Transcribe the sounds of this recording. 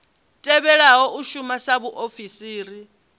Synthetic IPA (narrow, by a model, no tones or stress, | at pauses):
tʼɛβɛɺaɦɔʔuʃumasaβuʔofisiːɾi